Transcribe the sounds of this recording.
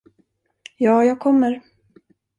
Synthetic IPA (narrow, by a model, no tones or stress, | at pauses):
jɑːjɑːɡ̚kʰɔmːəɾ